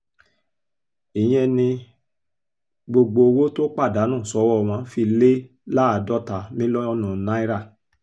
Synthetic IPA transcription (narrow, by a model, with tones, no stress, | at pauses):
i˨j̃ɛ̃˦nĩ˧ | ɡ͡bo˧ɡ͡bo˧wo˦to˦k͡pa˦˨da˨˦nũː˦˨sɔ˧˦wɔ˦˨w̃ã˧˦fi˧˨le˦ | la˦a˨dɔ˦ta˨mĩ˦lɔ˦ɔ˦nũ˨nã˦i˦ɾa˦˨